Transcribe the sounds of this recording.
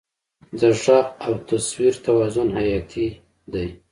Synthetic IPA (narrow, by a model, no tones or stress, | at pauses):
d̪aʂɑawt̪aswiɾt̪awɑzʊnhajɑt̪ʰi | d̪aj